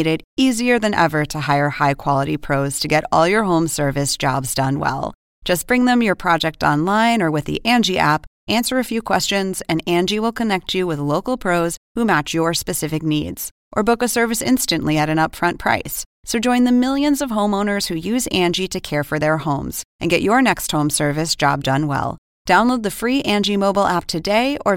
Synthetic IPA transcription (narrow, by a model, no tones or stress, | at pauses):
ɾɪɾiziə˞ðɨ̃nʔɛ̰və˞ɾɨhaɪə˞haɪkʰw̥ɑlˠəɾḭpʰɹ̥oʊz̥tʰɨɡɛɾɔ̰lˠjə˞ɦõʊ̃msɜ˞vɨsd̥ʒ̥ɑ̰bzdʌ̃nwɛ̰lˠ | d̥ʒ̥ʌsb̥ɹɪ̃ŋðɨ̃mjə˞pʰɹ̥ɑd͡ʒɛk̚tɑ̰̃nlãɪ̃nə˞wɨðḭʔæ̃nd͡ʒiʔæ̰pʔæ̃nsə˞ɨfjʉkʰw̥ɛst͡ʃɨ̃nzɨ̃næ̃nd͡ʒiwɪlˠkʰɨnɛk̚t͡ʃɨwɨðloʊkl̩ˠpʰɹ̥oʊz̥humæt͡ʃjə˞spɨsɪfɨk̚nḭdz̥ | ʔə˞bʊkɨsɜ˞vɨsɪ̰̃nstɨ̃nʔliɨɾɨ̃nʌpfɹʌ̃npʰɹ̥a̰ɪssoʊd͡ʒɔ̃ɪ̃nðɨmɪlˠjɨ̃nzʌv̥ɦõʊ̃mõʊ̃nə˞z̥hʉjʉzæ̃nd͡ʒiɾɨkʰɛɹfə˞ðə˞hõʊ̃mz̥ʔɨ̃nɡɛt͡ʃə˞nɛkst̚hõʊ̃msɜ˞vɨsd̥ʒ̥ɑ̰b̚dʌ̃nwɛ̰lˠ | d̥ãʊ̃nloʊd̪̚ðɨfɹiʔæ̃nd͡ʒimoʊblˠʔæp̚tʰɨdeɪʔə˞